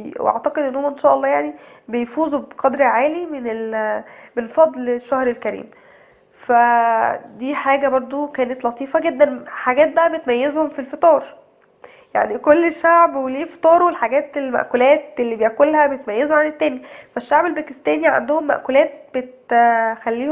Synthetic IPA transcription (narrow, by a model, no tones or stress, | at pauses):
wḛʔa̰ʕt̪ɑqed̪ʔenːhomæʔenʃæːʔɑlːɑːjaʕnibejfuːzubeqɑd̪ɾʕaːlimenelmenfɑd̪ˤlʃːæhɾelkæɾḭːm | fæ | d̪iːħaːɡæbɑɾˤd̪ˤokæːnet̪lɑt̪ˤiːfɑɡed̪ːænħaɡæːt̪̚bæʔæbet̪mæjːezhomfilfet̪ˤɑːɾˤ | ja̰ʕnikolːeʃːaʕbweleːfe̥t̪ˤɑːɾˤwelħaɡæːt̪elmæ̰ʔkolæːt̪̚elːibejʕkolhæbejt̪mæjːezoʕanet̪ːæːnjæfæʃːaʕbelbækest̪æːniʕa̰nd̪ohomːæ̰ʔkolæːt̪̚b̥et̪xælːiːh